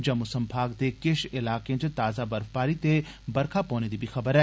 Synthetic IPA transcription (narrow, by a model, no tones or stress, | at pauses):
d͡ʒɐmʊsəmbʱaːɡd̪ekɪʃɪlaːkẽd͡ʒet̪aːzabɐɾfpaːɾit̪e | bɐɾkʰapɔ̃ːned̪ibʱixɐbəɾɛː